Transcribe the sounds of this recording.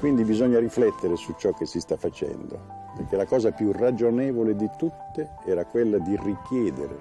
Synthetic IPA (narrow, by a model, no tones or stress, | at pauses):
kwind̪ibizɔɲːariflɛt̪ːeɾesut͡ʃːɔkːesist̪afːat͡ʃɛ̰nd̪o̰ | peɾkelakɔːzapjurad͡ʒonɛːvoled̪it̪ut̪ːe | ɛːɾakwelːad̪irikjɛːd̪ḛɾḛ